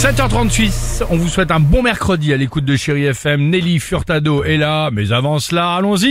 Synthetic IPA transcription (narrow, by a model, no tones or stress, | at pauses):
sɛt̪œʁt̪χɑ̃t̪ɥit̪ɔ̃vuswɛt̪ɛ̃bɔ̃mɛʁkχəd̪ialekut̪̚d̪əʃeʁiɛfɛmnelifyʁt̪ad̪oɛlamɛzavɑ̃slaːlɔ̃zi